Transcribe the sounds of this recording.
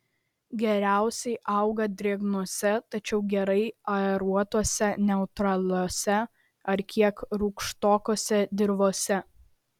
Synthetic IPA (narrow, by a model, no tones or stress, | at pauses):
ɡʲɛɾʲæˑʊsʲɛɪʔɐʊɡɐd̪ʲɾʲiɛɡnoɔsʲɛt̪ɐt͡ʃʲɛʊɡʲɛɾɐɪɐɛɾuɔt̪oɔsʲɛnʲɛʊt̪ɾɐlʲoːsʲɛ | ɐɾkʲiɛkɾuːkʃt̪oːkoːsʲɛd̪ʲɪɾʋoːsʲɛ